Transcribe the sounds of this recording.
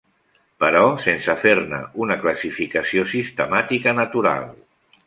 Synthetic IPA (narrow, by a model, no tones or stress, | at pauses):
pəɾɔsensəfeɾnə̰unəkləsifikəsiosist̪əmat̪ikənət̪uɾa̰lˠ